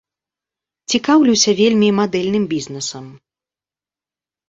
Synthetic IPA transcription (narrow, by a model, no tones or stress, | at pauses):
t͡sʲikawlʲuwsʲɐvʲelʲmʲimad̪ɛlʲnɨmbʲiznɛsɐm